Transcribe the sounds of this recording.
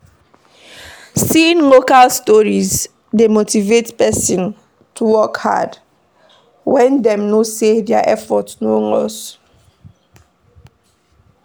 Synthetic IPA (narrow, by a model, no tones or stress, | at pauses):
sĩnlokalstɔɹiz | demotivetpɛsĩn | tʰuwɔkha̰d | wɛ̃ndɛ̃mnosedɛaʔɛfɔtsnoŋɔ̰s